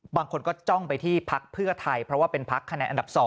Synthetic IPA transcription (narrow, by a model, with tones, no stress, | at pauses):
baː˧ŋkʰo˧nkɔː˥˩t͡ɕɔ˥˩ŋpa˧jt̪ʰiː˥˩pʰa˦˥k̚pʰɯ˥˩ɐt̪ʰa˧jpʰɾɔ˦˥waː˥˩pe˧npʰa˦˥kʰːa˧nɛː˧nʔa˧nda˨˩p̚sɔː˩˦